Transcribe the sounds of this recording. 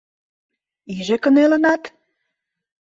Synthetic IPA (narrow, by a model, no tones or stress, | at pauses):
iʒĕkə̆nelə̆nɑt̪